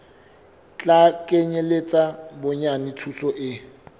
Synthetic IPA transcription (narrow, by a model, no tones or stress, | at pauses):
t͡ɬʼakʼeɲelet͡sʼabʊɲanitʰusɔʔɪ